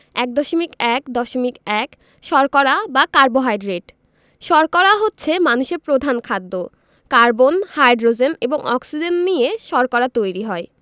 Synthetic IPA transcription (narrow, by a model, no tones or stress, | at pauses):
ɛk̚d̪ɔʃomikɛkd̪ɔʃomikɛk | ʃɔɾkɔɾabakaɾboɦajɖɾeʈ | ʃɔɾkɔɾaɦotːɕʰemanuʃeɾpɾod̪ʱankʰad̪ːo | kaɾbonhajɖɾod͡ʑeneboŋʔɔ̰ksid͡ʑennijeʃɔɾkɔɾat̪ojɾiɦɔe